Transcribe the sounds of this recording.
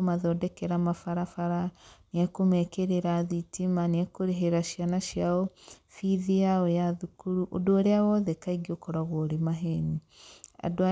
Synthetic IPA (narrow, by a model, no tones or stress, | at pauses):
omaðɔdɛkɛɾamafaɾafaɾaniakomɛkeɾeɾaðitimaneɛkoɾeɦeɾaʃijanaʃiaɔfiðiaɔjaðukuɾuʔo̰doːɾeawɔðɛkaiɡiokɔɾaɣwɔɾemaɦɛni | a̰doa